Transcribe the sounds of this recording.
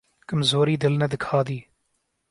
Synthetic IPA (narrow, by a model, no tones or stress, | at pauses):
kɨmzoːɾiːd̪ɪlnɐd̪ɨkʰaːd̪iː